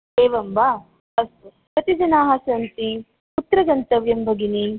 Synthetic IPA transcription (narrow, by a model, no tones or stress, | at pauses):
eːʋɐmbaː | ɐst̪u | pɾɐt̪id͡ʒɐnaːɦasɐnt̪i | ut̪ːɾɐɡɐnt̪ɐʋjɐmbʱɐɡini